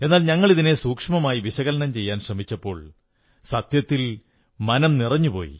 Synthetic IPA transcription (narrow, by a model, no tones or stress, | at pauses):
e̞nːaːlɲɐŋːɐɭiðine̞suːkʂɐmɐmaːjiʋiɕɐɣɐlɐnɐmt͡ɕe̞jːaːnɕrɐmit͡ɕːɐpːo̞ːɭ | sɐt̪jɐt̪ːil | mɐnɐmnirɐɲːupo̞̰ːjḭ